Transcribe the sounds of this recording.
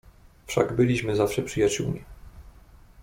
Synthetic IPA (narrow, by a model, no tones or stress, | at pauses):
fʂa̰ɡbɘlʲiɕmɘzafʂɛpʂɘjat͡ɕṵwmʲḭ